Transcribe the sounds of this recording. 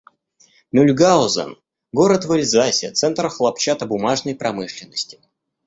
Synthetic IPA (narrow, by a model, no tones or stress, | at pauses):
mʲʉlʲɡaʊzə̰n | ɡo̞ɾət̪vɨlʲzasʲɪt̪sɛnt̪ɾəxlˠapt͡ɕat̪əbʊmaʐnəjpɾɐmɨʂlʲɪnːəsʲtʲɪ̥